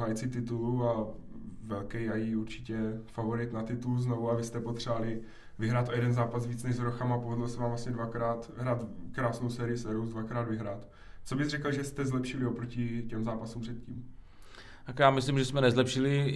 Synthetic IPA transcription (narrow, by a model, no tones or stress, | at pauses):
ɦajt͡sɪt̪ɪt̪ulua | vɛlkɛjajiuɾt͡ʃɪcɛfavoɾɪt̪nat̪ɪt̪uluzno̞vuavɪst̪ɛpot̪r̥ɛalɪ | vɪɦɾaːt̪ʔojɛdɛnzaːpasviːt͡snɛʒzɾoxamapovɛdlosɛvaːmvlasɲɛdvakɾaːt̪ɦɾaːt̪kɾaːsnowsɛːɾɪjɪsɛɾowzdvakɾaːd̪vɪɦɾaːt̪ | t͡so̞bɪzrɛkl̩ʒɛst̪ɛzlɛpʃɪlɪopɾocɪcɛmzaːpasumpr̥ɛt̪̚ciːm | t̪akjaːmɪslimʒɛsmɛnɛzlɛpʃɪlɪ